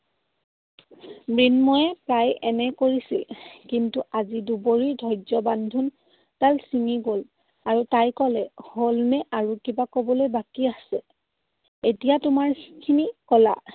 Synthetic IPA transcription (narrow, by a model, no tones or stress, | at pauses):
bɹinmɔjɛpɹajɛnɛkoɹisḭlkintuʔaziduboɹiɹdʱɔjd͡ʒɔbandʱun | talsiŋiɡol | aɹutajkɔlɛholnɛʔaɹukibakobɔlojbakiasɛ | etijatʊmaɹkʰinikɔla̰